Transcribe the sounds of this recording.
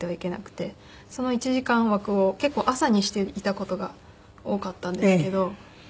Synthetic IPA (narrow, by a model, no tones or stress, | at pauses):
t̪ːe̞βaike̞na̰kɯ̟̥t̪e̞ | so̞no̞it͡ɕiʑikãɰ̃βakɯ̟o̞ke̞kːo̞ːʔasaɲ̟iɕi̥t̪e̞it̪ako̞t̪o̞ɡa | o̞ːkat̪ːãnd̪eeske̞d̪o̞